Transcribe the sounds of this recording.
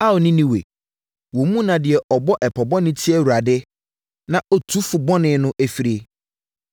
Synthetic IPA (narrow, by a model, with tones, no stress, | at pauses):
a˦ɔ˨nĩ˦nĩ˦wḛ˨ | wɔ˨mũ˦nã˨dɪ˨ɛ˨ʔɔ˨bɔ˦ʔɛ˨pʰɔ˨bɔ̃˦nɪ̃˦tʰi˦ɛ˦˨wu˨ɾa˨dɪ˦ | nã˨ʔɔ˦tʰu˦fʊ˨bɔ˦nɪ̃˨˦nʊ̃˦ʔæ˨fi˨ɾi˨˦e˨